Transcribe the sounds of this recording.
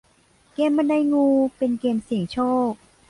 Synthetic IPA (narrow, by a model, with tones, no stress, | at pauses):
keː˧mːa˧nda˧jŋuː˧pe˧nkeː˧msi˨˩əŋt͡ɕʰoː˥˩k̚